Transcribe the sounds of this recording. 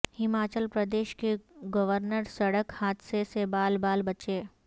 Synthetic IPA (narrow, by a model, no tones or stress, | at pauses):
hɪmaːt͡ʃəlpɾəd̪eːʃkeɡɐʋəɾnəɾsɐɽəkhaːt̪sesebaːlbaːlbɐt͡ʃeː